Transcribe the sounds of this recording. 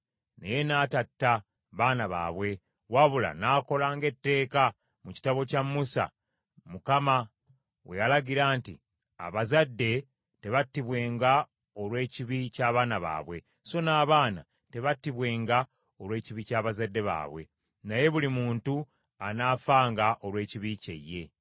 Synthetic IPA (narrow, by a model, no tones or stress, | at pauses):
nḛje̞naːtatːa | βaːnaβa̰ːβwe̞ | waβula̰naːko̞laːŋɡe̞tːe̞ːka | muci̥taβo̞camːusa̰ | mukama | we̞jalaɟiɾaːntḭ | a̰βazadːe̞ | te̞βatːiβwe̞ːŋɡa | o̞lwe̞ːciβicaːβaːnaβa̰ːβwe̞ | so̞naːβaːna | te̞βatːiβwe̞ːŋɡa | olwe̞ːciβicaːβazadːe̞βa̰ːβwe̞̰ | naje̞βulimuːntu | anaːfaːŋɡaʔo̞lwe̞ːciβicḛje̞